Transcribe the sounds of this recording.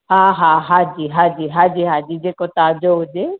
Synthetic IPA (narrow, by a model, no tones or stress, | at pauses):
ɦãːɦãɦaːd͡ʒiːɦaːd͡ʑiːɦaːd͡ʒiːɦaːd͡ʑiːd͡ʒeːkot̪aːd͡ʒoɦʊd͡ʒe